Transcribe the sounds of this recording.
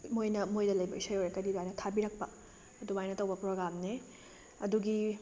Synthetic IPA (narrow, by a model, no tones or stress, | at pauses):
mojnɐmojdɐlɐjbɐisɐjojɾekɐdiduajnɐtʰabiɾɐk̚pɐ | ɐdubajnɐtɐwbɐpɾoɡɾamne | ɐduɡi